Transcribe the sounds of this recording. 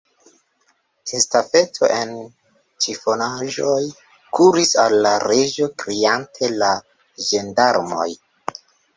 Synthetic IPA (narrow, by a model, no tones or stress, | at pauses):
estafe̞tʰo̞̰ʔe̞n | t͡ʃifo̞naʒo̞j | kuɾisalːaɾe̞ʒo̞kɾiantʰe̞la | ʒe̞ndaɾmo̞̰j